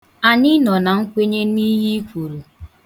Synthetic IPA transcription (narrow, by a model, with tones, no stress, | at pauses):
a˨ɲɪ˦nɔ˨na˨ŋ̩˦kʷe˦ɲe˦ni˦ɦi˦kʷu˨ɾu˨